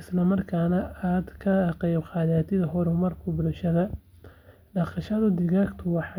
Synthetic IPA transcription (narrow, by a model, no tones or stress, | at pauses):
ɪslɐmɐrkʰaːnɐaːd̪kʰɐqɑjbqɑːðaːt̪ʰɪðɐɦɔɾɛmɐrkʰʊbʊlʃɐðɐ | ɖɑqɑʃɐðʊd̪ɪɣaːkt̪ʰʊwɑħɑ